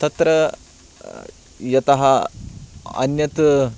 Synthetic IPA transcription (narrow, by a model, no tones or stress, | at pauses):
t̪ɐt̪ɾɐ | jɐt̪ɐɦɐ | ɐ̰njɐt̪